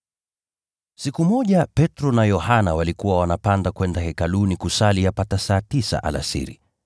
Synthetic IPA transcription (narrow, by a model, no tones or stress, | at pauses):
sikumɔʄapɛtɾɔnajɔhanawalikuwawanapandakwɛndahɛkalunikusalijapatasaːtisa̰ʔa̰la̰sḭɾḭ